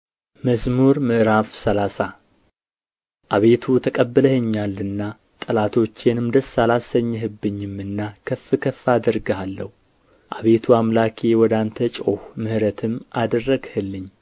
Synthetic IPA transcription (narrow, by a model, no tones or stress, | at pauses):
məzmuɾmɨʔɾafsəlasa | ʔaβe̞t̪ʰut̪ʰəkʼəbːɨləheɲːalːɨnːa | t̪ʼɨlat̪ʰo̞t͡ʃːjɛnɨmd̪əsːalasəɲːɦɨbːɨɲːɨmːɨnːakʰəfːɨkʰəfːad̪əɾɡəalːəhu | ʔaβe̞t̪ʰuamlakʰewɔd̪ant̪ʰət͡ʃʼo̞hmɨhɨɾət̪ʰɨmʔad̪ərːəɡhɨlːɨɲː